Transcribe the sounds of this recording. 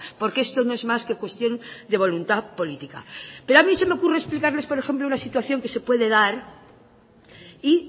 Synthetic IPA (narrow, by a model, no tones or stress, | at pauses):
po̞ɾkee̞st̪o̞noe̞zmaske̞kwe̞st̪jo̞nd̪e̞β̞o̞lunt̪apo̞lit̪ika̰pe̞ɾoamĩse̞me̞o̞kure̞esplikaɾle̞spoɾe̞xe̞mplounasit̪waθjo̞ŋke̞se̞pwe̞ðe̞ðaɾ | i